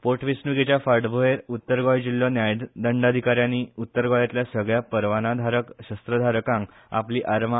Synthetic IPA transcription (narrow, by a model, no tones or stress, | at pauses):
poɾʈʰʋisnuɡit͡ɕjafaɾɖbʱoeɾut̪ːəɾɡɔjd͡ʑilːɔnjajɖd̪əɳɖad̪ʱikaɾjaniːut̪ːəɾɡɔjat̪ljasəɡɭjapəɾʋanad̪ʱaɾəkɕəst̪ɾəd̪ʱaɾəkãŋ | a̰pliːʔaɾma